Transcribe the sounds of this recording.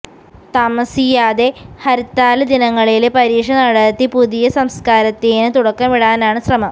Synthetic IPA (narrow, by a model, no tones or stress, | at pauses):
t̪ɐmɐsijaːd̪e̞hɐɾit̪ːaːlɐd̪inɐŋːɐɭilpɐɾiːʂɐnɐɽɐt̪ːipuðijɐsɐmskaːɾɐt̪ːeːnɨt̪uɽɐkːɐmʋiɽaːnaːɳɨɕrɐmɐm